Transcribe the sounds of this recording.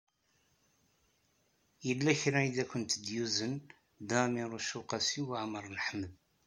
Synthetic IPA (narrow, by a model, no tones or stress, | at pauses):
jəlːæçɾæiðækʷːənt̪d̪juzən | d̪æmiɾˤuʃuqɑsiwəʕməɾˤnəħməð